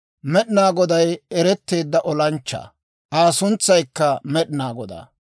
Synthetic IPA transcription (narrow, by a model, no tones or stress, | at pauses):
mɛɗɪnaːɡɔd̪ɐjɛɾɛt̪ːe̞ːd̪ːɐʔɔlɐnt͡ʃːa̰ː | ʔaːsʊnt͡sːɐjkːɐmɛɗɪnaːɡɔd̪a̰ː